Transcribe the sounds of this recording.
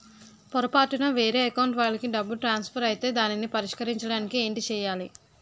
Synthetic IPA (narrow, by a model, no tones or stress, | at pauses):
pɔɾɐpaːʈunɐʋe̞ːɾe̞ːɐkɐwuɳʈʋaːɭːɐkiɖɐbːuʈɾaːnspʰɐɾɐjit̪e̞ːd̪aːninipɐɾiʂkɐɾiɲt͡ʃɐɽaːnikie̞ːɳʈit͡ʃɛːjaːli